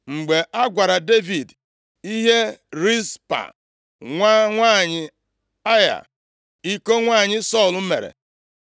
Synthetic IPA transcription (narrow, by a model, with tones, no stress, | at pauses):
ŋ͡m̩˨ɡ͡be˨ʔa˦ɡʷa˨ɾa˨de˦vi˨d | i˦ɦe˦ɾi˦spa̰˨ | ŋʷa˦ŋʷaː˦˨ɲɪ˨ | a˦ja̰˨ | i˦ko˦ŋʷa˦˨ɲɪ˦sɔ˦˨l̩˨˦me˨ɾḛ˨